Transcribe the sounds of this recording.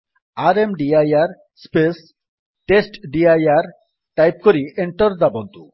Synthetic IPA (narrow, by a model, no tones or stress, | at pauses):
aɾemɖiajaɾ | spes | ʈesʈɖiajaɾ | ʈajp̚koɾiʔeɳʈoɾd̪abod̪ʱːu